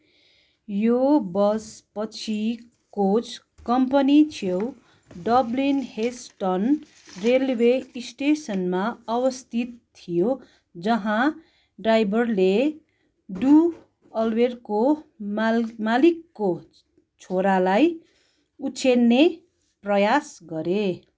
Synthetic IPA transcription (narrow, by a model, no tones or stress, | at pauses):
jobʌspʌt͡sʰi | kot͡sʰ | kʌmpʌnit͡sʰew | ɖʌblinhesʈʌn | relweisʈesʌnmaʌbʌst̪ʰit̪t̪ʰːijo | d͡zʌɦã | ɖrajbʱʌrle | ɖu | ʌlwerkommalikːo | t͡sʰoɾalaj | ut͡sʰenːe | prʌjasɡʌɾe